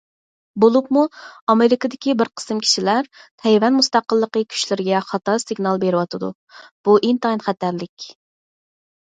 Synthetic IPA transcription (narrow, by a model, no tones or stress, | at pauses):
bolˠupmuɑmeɾɪkɨd̪ɪkʲibɪɾqʰə̥sɨmkʲʰi̥ʃilæɾt̪ʰɛjwɛnmust̪ɑqəlˠːəqəkʲʰy̥ʃlɪɾɪɡʲɛχɑt̪ɑsɪɡnɑlˠbeɾɪwɑt̪ʰɨd̪ṵ | b̥uʔint̪ɑinχæt̪ʰæɾlɪkʲ